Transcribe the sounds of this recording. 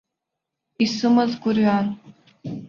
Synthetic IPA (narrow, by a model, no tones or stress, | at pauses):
isɨmɐzɡʷʊrɥan